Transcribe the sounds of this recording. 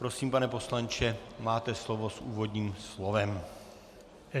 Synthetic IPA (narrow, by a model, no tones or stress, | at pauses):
pɾo̞siːmpanɛpo̞slant͡ʃɛmaːt̪ɛslo̞vo̞sʔṵːvo̞d̪ɲiːmslo̞vɛm